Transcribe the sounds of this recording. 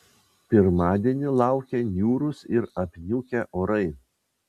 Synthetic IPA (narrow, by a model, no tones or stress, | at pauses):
pʲɪɾmɑːd̪ʲiɛnʲɪlˠɑˑʊkʲɛnʲjuːɾʊsɪɾɐpʲnʲuːkʲɛʔoːɾɐɪ